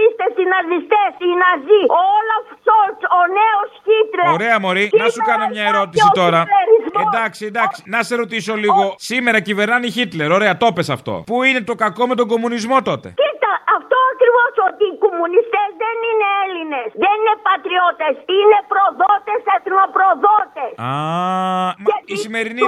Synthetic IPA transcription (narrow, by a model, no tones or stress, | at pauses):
ist̪esinɐzist̪esinɐzioolɐfsoɾsoneosçit̪leoɾeɐmo̞ɾinɐsukɐnomɲɐeeɾo̞t̪isit̪o̞ɾɐeɾizmeod̪ɐksind̪ɐkssinɐseɾo̞t̪iso̞liɣo̞sime̞ɾɐcive̞ɾnɐniçit̪le̞ɾo̞ɾe̞ɐt̪o̞pe̞sɐft̪o̰puine̞t̪o̞kɐko̞me̞t̪o̞ŋɡo̞munizmo̞t̪o̞t̪e̞̰cit̪ɐɐft̪oɐkɾivosot̪iːkomunist̪ezðenineelinesðeninepɐt̪ɾiot̪esine̞pɾoðot̪eset̪nopɾoðot̪esa | misime̞ɾini